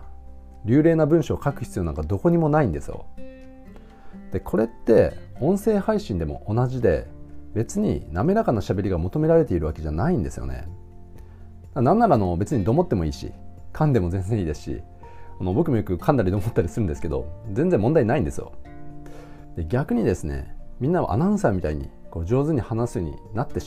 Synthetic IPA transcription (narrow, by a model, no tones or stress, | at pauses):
ɾʲɨːɾe̞ːnabɯ̟̃ɰ̃ɕo̞ːkakɯ̟çʲi̥t͡sɨjo̞nã̰ŋkad̪o̞ko̞ɲ̟imo̞naĩnd̪e̞sɨ̰jo̰ | d̪̥e̞kʰo̞ɾe̞t̪ːe̞õ̞ɰ̃se̞ːhaiɕĩnd̪emo̞̰ʔonaʑid̪e̞̰be̞t͡sɨɲ̟ḭname̞ɾakanaɕabe̞ɾʲiɡamo̞t̪o̞me̞ɾaɾe̞t̪e̞iɾɯ̟βake̞ʑanaĩnd̪e̞sɨjo̰ne̞̰ | d̪anãnːaɾano̞be̞t͡sɨɲ̟id̪o̞ːmo̞t̪ːe̞mo̞iːɕḭkʰãnd̪e̞mo̞zẽ̞nd͡zẽiːd̪e̞sɨ̥ɕḭ | ano̞bo̞kɯ̟mo̞jokɯ̟kʰãnd̪aɾʲid̪o̞mot̪ːaɾʲisɨɾɯ̟nd̪e̞sɨ̥ke̞d̪o̞̰zẽnzemːõ̞nainaĩnd̪e̞sɨjo̰ | d̪̥e̞ɡʲakɯ̟ɲ̟id̪e̞sɨne̞̰mʲĩnːaβa̰ʔa̰nãɯ̃saːmʲit̪aiɲ̟ḭko̞ːd͡ʑo̞ːzɨɲ̟ihanasɨoɲ̟ḭnat̪ːe̞